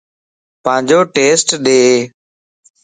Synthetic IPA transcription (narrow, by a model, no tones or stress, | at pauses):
pãːd͡ʒoːʈeːsʈɗeːɦeː